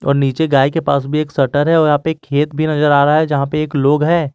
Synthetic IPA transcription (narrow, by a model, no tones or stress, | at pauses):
ɔ̰ːɾniːt͡ʃeɡaːikepaːsbʱieːksɐʈəɾɦɛɔːɾjɐɦãpekʰːeːt̪bʱinɐzəɾaːɾɐɦaɦɛd͡ʒɐɦãpeeːkloːɡɦɛː